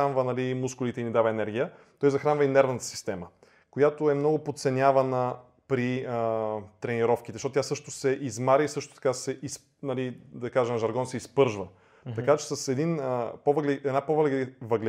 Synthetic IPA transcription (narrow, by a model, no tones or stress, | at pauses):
anvənɐlimuskʊlit̪ɛinid̪avɐɛnɛɾɡ̟ʲijə | t̪ɔjzɐxɾanvəinɛɾvnət̪ə̥si̥st̪ɛmə | kojat̪oɛmnɔɡʊpot̪t̪sɛnʲjavɐnə | pɾiət̪ɾɛniɾɔfk̟it̪ɛzʃot̪ot̪ʲjasɤʃt̪osɛʔizmaɾʲiisɤʃt̪o̥t̪ɐ̥kasɛʔis | nɐlid̪ɐkaʒɛmʒɐɾɡɔnsɛispɤɾʒvə | t̪ɐkat͡ʃɛ̥sɐsɛd̪inəpovəɡlɛɛd̪napovəlɡvɐɡlɛ